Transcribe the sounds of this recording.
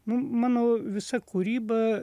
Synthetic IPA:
nʊmɐnoʋʲɪsɐkʰuɾʲiːbɐ

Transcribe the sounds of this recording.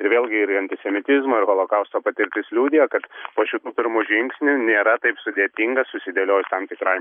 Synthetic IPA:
ɪɾʋʲeːlʲɡʲɪɪɾɐnʲt̪ʲɪsʲɛmʲɪt̪ʲɪzmoːɪɾɣoːlˠokɐʊst̪oːpɐt̪ʲɪɾʲt̪ʲɪslʲuːd̪ʲɪjɛkɐt̪poːʃʲɪt̪uːpʲɪɾmuːʒʲɪŋksʲnʲʊnʲeːɾɐt̪ɐɪpsʊd̪ʲeɛt̪ʲɪŋɡɐsʊsʲɪd̪ʲeːlʲoːjʊst̪ɐmt̪ʲɪkɾɐɪ

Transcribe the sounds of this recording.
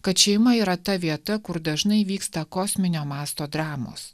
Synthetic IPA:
kɐt̪ʃʲɛɪmɐiːɾɐt̪ɐʋʲiɛt̪ɐkʊɾd̪ɐʒnɐɪʋʲiːkst̪ɐkoːsʲmʲɪnʲoːmɑːst̪oːd̪ɾɑːmo̰ːs

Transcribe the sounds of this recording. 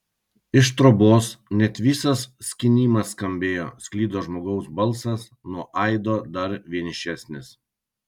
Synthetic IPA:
ɪʃt̪ɾɔboːsnʲɛt̪ʲʋʲiːsɐsːʲkʲɪnʲiːmɐskɐmʲbʲeːjo̰ːsʲkʲlʲiːd̪oːʒmoːɡɐʊsbɐlˠˑsɐs | nuɔʔɐɪd̪oːd̪ɐɾʋʲiɛnʲɪʃʲæsʲnʲɪs

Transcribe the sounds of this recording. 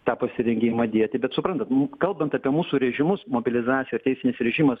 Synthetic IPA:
t̪ɑːpɐsʲɪɾʲɛŋʲɡʲɪmɐd̪ʲiɛt̪ʲɪbʲɛt̪sʊpɾɐnt̪ɐt̪kɐlˠbɐnt̪ɐpʲiɛmuːsuːɾʲɛʒʲɪmʊsmoːbʲɪlʲɪzɑːt̪sʲɪjɛɪrt̪ʲɛɪsʲɪnʲɪsɾʲɛʒʲiːmɐs

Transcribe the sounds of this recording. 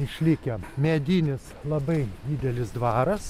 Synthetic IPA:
ɪʃʲlʲɪkʲɛmʲɛd̪ʲiːnʲɪslˠɐbɐɪd̪ʲiːd̪ʲɛlʲɪsd̪ʋɑːɾɐs

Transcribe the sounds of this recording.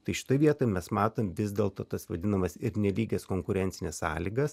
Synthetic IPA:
t̪ɐɪʃʲɪ̥t̪oːɪʋʲiɛt̪oːmʲɛsmɑːt̪oːmʲʋʲɪzʲd̪ʲeːlˠt̪oːt̪ɐsʋɐd̪ʲɪnɐmɐsɪɾnʲɛlʲiːɡʲɛskoːŋkʊɾʲɛnʲtsʲɪnʲɛssɑ̰ːlʲiːɡɐs

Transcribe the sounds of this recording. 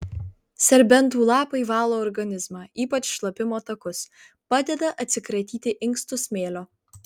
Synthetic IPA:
sʲɛɾʲbʲɛnˑt̪uːlˠɑːpɐɪʋɑːlˠoːɔɾɡɐnʲɪzmɑːiːpɐt͡ʃʃlˠɐpʲɪmoːt̪ɐkʊs | pɑːd̪ʲɛd̪ɐʔɐt̪ʲsʲɪkɾɐt̪ʲiːt̪ʲɪʔɪŋkst̪ʊsmʲeːlʲoː

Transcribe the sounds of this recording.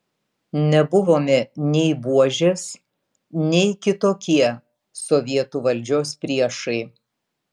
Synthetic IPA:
nʲɛbʊʋoːmʲɛnʲɛɪbuɔʒʲeːs | nʲɛɪkʲɪt̪oːkʲiɛ | sɔʋʲiɛt̪uːʋɐlʲd͡ʒʲoːspʲɾʲiɛʃɐɪ

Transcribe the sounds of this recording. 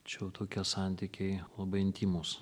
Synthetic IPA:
t͡ʃʲɛʊt̪ʰoːkʲiɛsɑˑnʲt̪ʲiːkʲɛɪlˠɐbɐɪɪnʲt̪ʲiːmuːs

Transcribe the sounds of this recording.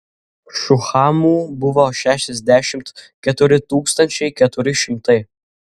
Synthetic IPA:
ʃʊxɑːmuːbʊʋoʃʲæːʃʲɛzʲd̪ʲæʃʲɪmt̪kʲɛt̪ʊɾʲɪt̪uːkst̪ɐnʲt͡ʃʲɛɪkʲɛt̪ʊɾʲɪʃʲɪmt̪ɐɪ

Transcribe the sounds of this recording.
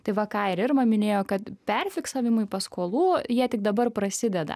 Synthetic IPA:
t̪ɐɪʋɐkɑːɪɾɪrmɐmʲɪnʲeːjoːkɐt̪pʲɛrʲfʲɪksɐːʋʲɪmʊɪpɐskoːlˠuːjiɛt̪ʲɪk̚d̪ɐbɐrpɾɐsʲɪd̪ʲɛd̪ɐ̰

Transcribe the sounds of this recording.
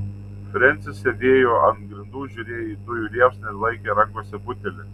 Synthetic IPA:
fʲɾʲɛnʲt̪sʲɪssʲɛd̪ʲeːjoːʔɐnɡɾʲɪnd̪uːʒʲʊɾʲeːjiːd̪ʊjʊlʲiɛpsnʲɐlˠɐɪkʲeːɾɐŋkoːsʲɛbʊt̪ʲɛlʲɪ

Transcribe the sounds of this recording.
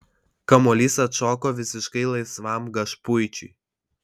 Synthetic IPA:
kɐmɔlʲiːsɐt̪ʃɔːkoːʋʲɪsʲɪʃkɐɪlˠɐɪsʋɑˑmɡɐʃpʊjt͡ʃʲʊ

